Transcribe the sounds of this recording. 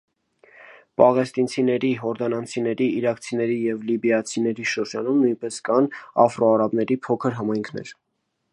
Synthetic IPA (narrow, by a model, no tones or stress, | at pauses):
pɑʁɛst̪int͡sʰinɛɾiɦɔɾd̪ɑnɑnt͡sʰinɛɾiiɾɑkt͡sʰinɛɾijɛvlibjɑt͡sʰinɛɾiʃəɾd͡ʒɑnumnujnpɛskɑnɑfrɔɑɾɑbn̪ɛɾipʰɔkʰəɾɦɑmɑjŋkʰnɛ̰ɾ